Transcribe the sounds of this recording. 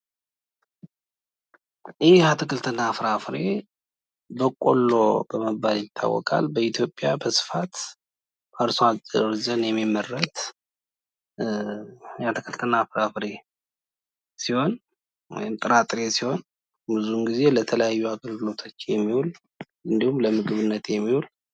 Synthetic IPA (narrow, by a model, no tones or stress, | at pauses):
jɛhjhat̪ʰɨkʰɨlt̪ʰɨnafɾafɾe̞ | bəkʼolːo̞bəməbːaljɪt̪ʰːa̰wːɔ̰kʼa̰lbəit̪ʰjo̞pʼːjabəsɨ̥fat̪ | aɾsoad̪əɾzənjɛmːimːərːət̪ | jhat̪ʰɨkʰəlt̪ʰɨnafɾafɾe̞ | siho̞n | wɔ̰jɪmt̪ʼɨɾat̪ʼɾe̞siho̞n | bɨzuŋɡize̞lət̪ʰələjajːuaɡəlɡɨlo̞t̪ʰot͡ʃːjɛmːihul | ɨnd̪ihumləmɨɡɨβɨnːət̪jɛmːihul